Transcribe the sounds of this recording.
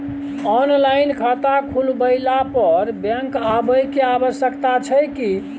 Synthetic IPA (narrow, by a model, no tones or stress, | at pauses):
ɔnlaɪnkʰat̪akʰulbəɪlapəɾbɛ̃ŋkabəjkeabəsjəkt̪at͡ʃʰəjki